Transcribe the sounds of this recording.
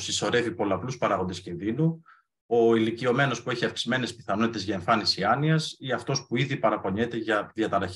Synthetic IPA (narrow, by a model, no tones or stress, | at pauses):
siso̞ɾe̞vipo̞lɐpluspɐɾɐɣo̞nd̪escinðinu | o̞ilicio̞me̞no̞spue̞çiɐfksime̞ne̞spi̥θɐno̞t̪it̪e̞zʝɐeɱfɐnisiɐniɐsiɐft̪o̞spuiðipɐɾɐpo̞ɲe̞t̪eʝɐðiɐt̪ɐɾɐ